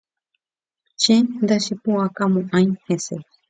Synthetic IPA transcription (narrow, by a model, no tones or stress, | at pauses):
t͡ʃẽnd̪aʃepũãkamõʔãj̃hese